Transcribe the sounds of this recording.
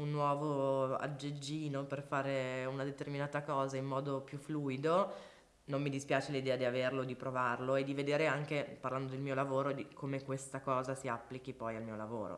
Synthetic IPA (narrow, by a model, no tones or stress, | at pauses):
unːwɔːvoa̰d͡ʒːed͡ʒːiːnoperfaːɾeunad̪et̪erminaːt̪akɔːzaimmɔːd̪opjufːluːjid̪o | nomːid̪ispjaːt͡ʃelid̪ɛːad̪iaverlod̪ipɾovarloed̪ːived̪eːɾeaŋk̟eparland̪od̪elmiːolavoːɾod̪ikʰomekwest̪akɔːzasiapːlik̟ipɔjalmiːolavo̰ːɾo̰